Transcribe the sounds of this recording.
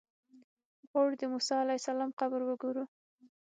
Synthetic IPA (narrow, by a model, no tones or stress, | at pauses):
ɣoɽd̪əmusɑalajsalɑmqabɾwəɡoɾu